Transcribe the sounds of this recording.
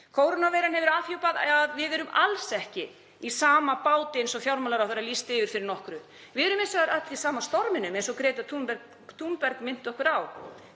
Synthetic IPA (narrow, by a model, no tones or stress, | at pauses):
kʰoːwɾonavejɾanhɦɛvʏɾaːðfjowpaðaðvɪðɛɾʏmalsɛhcɪ | isaːmapaːwt̪ɪensɔfjawɾmalaɾawθɛɾalist̪ɪvɪɾ̥fɪɾɪɾnɔhkɾʏ | vɪðɛɾʏmɪnsɔɣðaɾat̪isaːmast̪ɔɾmɪnʏmejnsɔkɾeːjt̪at̪ʰumpɛɾ | t̪ʰumpɛɾkmɪn̥t̪ɔhkʏɾaw